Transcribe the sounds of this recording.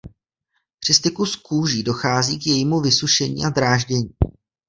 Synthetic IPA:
pr̝̥ɪst̪ɪkuskuːʒiːdo̞xaːziːkjɛjiːmuvɪsuʃɛɲḭːʔad̪ɾaːʒɟɛɲiː

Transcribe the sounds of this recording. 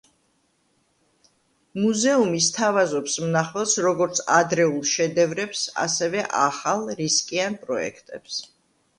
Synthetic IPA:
muzɛumist̪ʰavazɔpsmnaχɛlˠsɾɔɡɔɾt̪sʰad̪ɾɛulˠʃɛd̪ɛvɾɛpsa̰sɛvɛʔaχalˠɾiskʼianpʼɾɔɛ̰kʰt̪ʼɛps

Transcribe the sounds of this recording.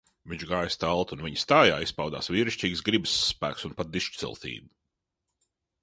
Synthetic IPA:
viɲt͡ʃɡaːjst̪alˠt̪unviɲst̪aːjaːispawd̪a̰ːsvʲiːɾɨʃt͡ʃiːɡsɡɾibəsːpæ̰ːksunpat̪̚d̪iʃt͡ʃt̪sḭlˠt̪ḭːd̪u̥

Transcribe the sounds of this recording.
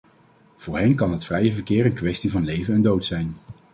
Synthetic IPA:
v̥ʊːɹɦɛnkɑnɦətfrɛjəvəɹkɪːɾənkʋɛstivɑnlejvənɛndowtsɛjn

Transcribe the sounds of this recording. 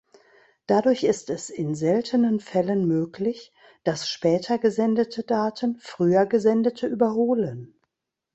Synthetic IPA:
d̥adʊɐçɪstɛsɪnzɛltʰənənfɛlənmøːkʰlɪç | d̥asʃpɛːtʰɐɡəzɛndətʰədaːtʰənfʁ̥yːɐɡəzɛndətʰəʔyːbɐɦoːlən

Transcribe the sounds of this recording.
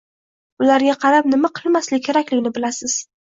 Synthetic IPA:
ʊlaɾɡʲaqʰɑɾapnɪmaqʰɨlˠmaslɪkʲʰe̞ɾakʲlɪɡʲnɪbɪlasɪz̥

